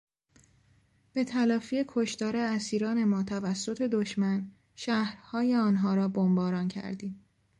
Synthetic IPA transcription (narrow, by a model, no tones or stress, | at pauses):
b̥e̞t̪ʰælɒːfiekʰo̞ʃt̪ɒːɾe̞æsiːɾɒːne̞mɒːt̪ʰævæsːo̞t̪ʰe̞d̪oʃmæn | ʃæhɾhɒːje̞ɒːnɦɒːɾɒːbombɒːɾɒːncʰæ̰ɾd̪iːm